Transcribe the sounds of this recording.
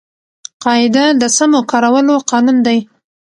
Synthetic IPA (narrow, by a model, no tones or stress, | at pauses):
qɑɪd̪ad̪əsamokɑɾawəloqɑnund̪aj